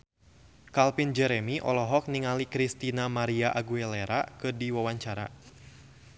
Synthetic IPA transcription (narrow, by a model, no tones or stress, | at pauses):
kalpind͡ʒɛɾɛmiʔɔ̰lɔɦɔk̚niŋalikɾist̪inamaɾiaʔaɡuɛlɛɾakɨrdiwawaɲt͡ʃaɾa̰